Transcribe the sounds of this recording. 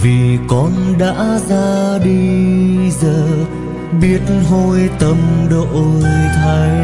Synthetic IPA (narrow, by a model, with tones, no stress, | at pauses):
vi˨˩kɔ˨˧nɗa̰ː˧˥zaː˧ɗi˧ | zəː˨˩ | ɓi˦˥ət̚nɦo˧jt̪ə˧˩mɗo˧˨ʔo˧jjt̪ʰa˧j